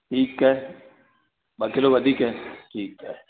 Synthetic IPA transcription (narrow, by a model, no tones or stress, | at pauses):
ʈʰiːkːɛ | bɐkeloːɡɐd̪ikɦɛːʈʰiːkːɛ